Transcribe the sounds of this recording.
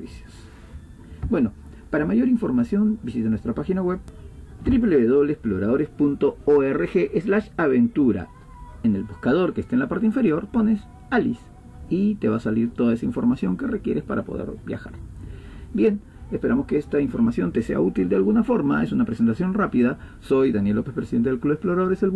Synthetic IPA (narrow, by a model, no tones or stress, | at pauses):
βisjo̥s | bweno̞ | paɾamaʝo̞ɾiɱfo̞ɾmasjo̞nbisit̪enwe̞st̪ɾapaxinaɣwe̞βt̪ɾip̬leβeð̞o̞βleːsplo̞ɾaðo̞ɾe̞spunt̪o̞oerexe̞ʔezlaʃaβe̞nt̪uɾa̰ | ene̞lbuskað̞o̞ɾkest̪enlapaɾt̪eĩɱfe̞ɾjo̞ɾpo̞ne̞s | alḭs | it̪e̞βasaliɾt̪o̞ðaesaiɱfo̞ɾmasjo̞ŋke̞rekje̞ɾʔespa̰ɾapo̞̰ðḛɾbja̰xa̰ɾ | bje̞n | espe̞ɾa̰mo̞skeest̪aiɱfo̞ɾmasjo̞nt̪e̞se̞a̰ut̪ild̪ealɣunafo̞ɾmae̞sunapɾesent̪asjo̞nrapiðaso̞jðanjelːo̞pespɾesiðe̞nt̪eelkluβesplo̞ɾaðo̞ɾesel